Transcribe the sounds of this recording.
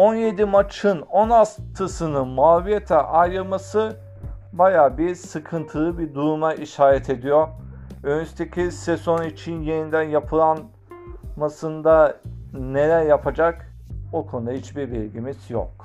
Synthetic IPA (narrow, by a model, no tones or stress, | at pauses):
o̞nje̞d̪imat͡ʃʰɯnonast̪ʰɯsɯnɯmaːvijet̪ʰɛʔajɾɯlˠmasɯ | bajaːbiɾsɯkʰɯnt̪ʰɯlˠɯbiɾd̪uɾumaʔiʃaːɾɛt̪ʰe̞d̪ijoɾønyst̪ʰecʲʰisezo̞nit͡ʃʰinje̞nind̪ænjapʰɯlˠan | masɯnd̪ane̞lʲæɾjapʰad͡ʒak | okʰo̞nud̪aɦit͡ʃbiɾbilʲɟimiz̥jo̰k